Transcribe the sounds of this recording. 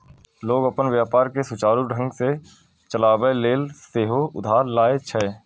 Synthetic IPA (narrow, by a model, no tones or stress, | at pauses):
loːɡəpənʋjaːpaːɾkesʊt͡ʃaːɾuɖʱə̃ŋɡse | t͡ʃəlaːʋəeleːlst̪eːɦoʊd̪ʱaːɾlaːet͡ʃʰəe